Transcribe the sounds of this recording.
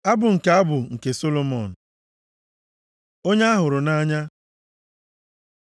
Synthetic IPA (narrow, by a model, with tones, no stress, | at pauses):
a˦bʊ˨ŋ̩˨ke˨a˦bʊ˨ŋ̩˨ke˨so˦lo˦mɔ˨n̩˨ | o˦ɲe˦a˦ɦʊ˨ɾʊ˨na˦ɲa˦